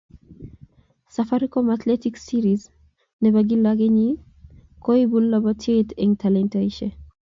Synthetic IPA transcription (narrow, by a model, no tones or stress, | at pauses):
safaɾikɔmat̪lɛtiksiɾiz | nɛbaɡilaɡeɲi | koibulːabɔtʰeteŋtʰalɛntaiʃe